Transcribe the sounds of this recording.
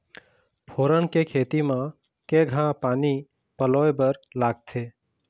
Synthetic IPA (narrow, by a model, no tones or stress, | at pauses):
pʰoːɾəɳkekʰeːt̪imã | kẽɡʱãpaːni | pəloːebəɾlaːɡ̚t̪ʰeː